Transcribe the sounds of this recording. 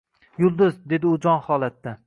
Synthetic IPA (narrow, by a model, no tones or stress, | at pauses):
jʊlˠd̪ʊzd̪e̞d̪ɪʊd͡ʒɒnhɒlˠat̪ːa